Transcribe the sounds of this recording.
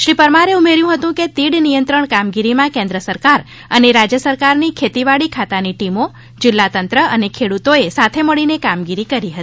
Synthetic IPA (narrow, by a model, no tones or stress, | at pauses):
ʃɾipəɾmaɾeumeɾjũɦət̪ũket̪iɽnijənt̪ɾəɳkamɡiɾimãkẽnd̪ɾəsəɾkaɾ | əneɾad͡ʒjəsəɾkaɾnikʰet̪iʋaɭikʰat̪aniʈimo | d͡ʒɪlːat̪ənt̪ɾəʔənekʰeɽut̪oesat̪ʰeməɭinekamɡiɾikəɾiɦət̪i̥